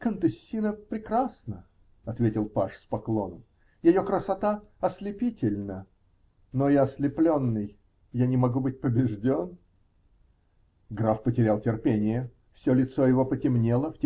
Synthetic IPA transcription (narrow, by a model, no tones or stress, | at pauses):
kənt̪ɨsʲːinəpɾʲɪkɾasnə | ɐt̪vʲetʲɪlˠpaʂspɐklˠo̞nəm | jɪjo̞kɾəsɐt̪aɐslʲɪpʲitʲɪlʲnə | nojaɐslʲɪplʲo̞nːɨj | janʲɪmɐɡubɨt̚ʲpəbʲɪʐdʲo̞n | ɡɾafpətʲɪɾʲalˠtʲɪrpʲenʲɪjə | fsʲo̞lʲɪt̪sojɪvo̞pətʲɪmnʲelˠəftʲ